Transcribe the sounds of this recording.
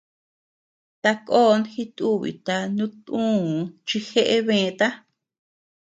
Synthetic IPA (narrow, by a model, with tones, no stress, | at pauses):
t̪a˧koː˦˧nxi˦t̪u˦˨βḭ˨t̪a˧nũ˦t̪ũː˦˨˧t͡ʃi˧xe˦ʔe˦βẽː˧t̪a˦